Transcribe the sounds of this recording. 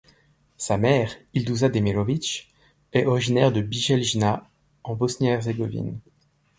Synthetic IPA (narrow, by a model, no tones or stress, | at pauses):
samɛːʁild̪uzad̪emelɔvit͡ʃ | ɛɔʁiʒinɛʁd̪əbiʒɛlʒina | ɑ̃bɔsnɛʁzeɡɔvḭn